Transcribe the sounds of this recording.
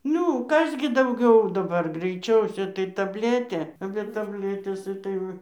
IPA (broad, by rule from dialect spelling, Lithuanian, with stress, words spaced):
ˈnʲʊ ˈkɐs ɡʲɪ dɐʊˈɡʲɛʊ dɐˈbɐr ɡrɐɪˈt͡ʃʲɛʊsʲɛ tɐɪ tɐbʲˈlʲæːtʲeː bʲɛ tɐbʲˈlʲæːtʲeːs ˈɪtɐɪ ˈʋɐ